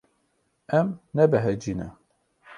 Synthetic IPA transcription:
ɛmnɛbɛɦɛd͡ʒiːnɛ̰

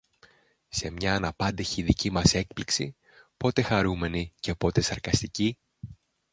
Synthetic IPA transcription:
se̞mɲɐːnɐpɐnd̪eçiːðicimɐse̞k̚pliksḭ | po̞t̪e̞xɐɾume̞nice̞po̞t̪e̞sɐɾkɐst̪ici

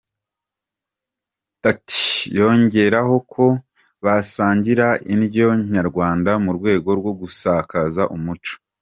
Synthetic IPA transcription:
tati̥jo̞ɲɟe̞ɾaɦo̞kʰo̞ | βasaːɲɟiɾainjo̞ɲaɾɡwaːndamuɾɡwe̞ːɡo̞ɾɡwo̞ɡusaːkazaʔumut͡ʃo̥

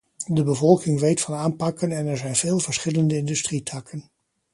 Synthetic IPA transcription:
dəbəvɔlˠkɪŋʋejtfɑnaːmpɑkənɛnɛɹzɛjnv̥ɪːlˠvəɹsχɪləndəɪndɵstritʰɑkʰən

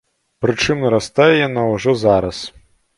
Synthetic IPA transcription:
pɾɨt͡ʂɨmnɐɾast̪ajɛjanawuʐɔzaɾɐs

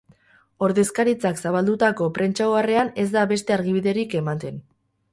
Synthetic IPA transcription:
o̞ɾðe̞skaɾit͡saksaβ̞ald̪ut̪ako̞pɾe̞nt͡ʃaoare̞ane̞zd̪aβe̞st̪e̞aɾɣiβiðe̞ɾike̞mat̪e̞n

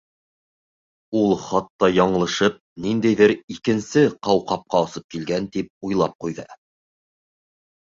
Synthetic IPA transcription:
ulˠχɑt̪ːɑjɑɴɤ̆lˠɤ̆ʃɤp̚nind̪æjðɘɾikɘ̆nsɘqɑwqɑp̚qɑŏsɤp̚kilɡænt̪ip̚ujlˠɑp̚qujðɤ

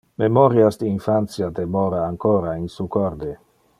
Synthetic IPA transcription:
memoɾjasd̪iːnfant̪sjad̪emoɾaːŋkoːɾainsukoɾd̪e

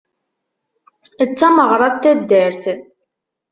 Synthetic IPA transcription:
ət͡sːæməʁɾˤɑðt̪ːæd̪ːəɾθ

